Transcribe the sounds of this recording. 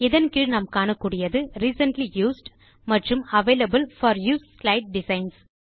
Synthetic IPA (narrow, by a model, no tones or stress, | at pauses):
ɪðɐnkɪɭnɐmkaːnɐkːuːɽɪjɐðɯɾiːsɐnʈlijuːsɖ | mɐʈrɯmɐʋeːlɐbɯlfɐːɾjuːsslɐɪʈ̚ɖɪsɐɪns